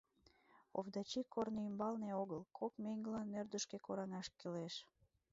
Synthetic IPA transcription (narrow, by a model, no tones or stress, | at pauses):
o̰vd̪ɑt͡ɕikʰorneymbɑlneoɣəlkʰokmeŋɡəlɑnːørd̪əʃkekoɾɑŋɑʃkeleʃ